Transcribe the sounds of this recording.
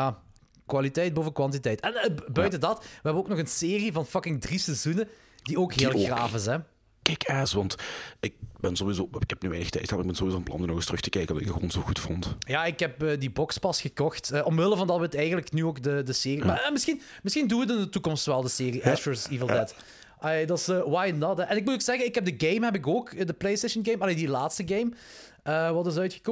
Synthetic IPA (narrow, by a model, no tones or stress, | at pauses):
jaː | kwalitɛjt̚boːvəkwɑnt̬itɛjtɛnəbœɥtədɑtʋəɦɛbənoːknɔɣənseːrivɑnfɑkɪŋdrisɛzunə | dioːkɦɪːlˠxraːfɪs̬ɛ | kɛkɛsʋɑntɪk̚bɛnzowizoːɪkɛpnyeːnəxtɛ̰jtxaɪɡbɛnzowizoːɔnplɑ̰ndənɔɣɪstrɵxtəkɛjkəndɑɪɡ̚dəɣo̰ːnzoxutfɔntjaːɪkɦɛpəːdibɔkspɑsxəkɔxtəːʔɔmʋɪlˠəvɑndɑtwətɛjɣənləknyːoːkdədəseːrimamɪsxin | mɪsxinduət̬ɪndətukɔmstʋɛlˠdəseːriʔɛstəsiːvəlˠdɛt | ʔɑleːdɑtɪsəːwajnɔtɛʔɛnɪk̚mutoːksɛɣənɪkɦɛb̚dəɡejmɦɛbɪk̬oːkədəplejstejʃənɡejmɑleːdilaːtstəɡejm | əːʋɑtɪzœɥtxə̥kɔ